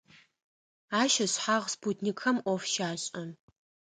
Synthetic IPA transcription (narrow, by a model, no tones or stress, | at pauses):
aːʃɐɕħaʁsputʰnikʰɐmʔʷɔfʃaːɕʼɐ